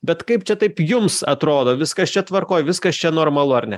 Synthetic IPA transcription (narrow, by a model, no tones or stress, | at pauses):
bʲɛt̪kɐɪpt͡ʃʲɛt̪ɐɪpjʊmsɐt̪ɾoːd̪oːʋʲɪskɐst͡ʃʲɛt̪ʋɐrkoːjʋʲɪskɐst͡ʃʲɛnoːrmɐlˠʊɐrnʲɛ